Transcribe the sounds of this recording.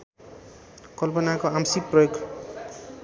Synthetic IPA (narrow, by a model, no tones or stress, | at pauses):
kʌlpʌnakoamsik̚prʌjoɡ